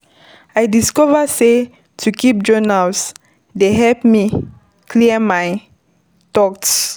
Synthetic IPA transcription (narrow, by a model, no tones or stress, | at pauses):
ajdiskɔvəse | tʰukip̚d͡ʒɔnals | deɦɛlpmi | kʰliəmaj | tɔks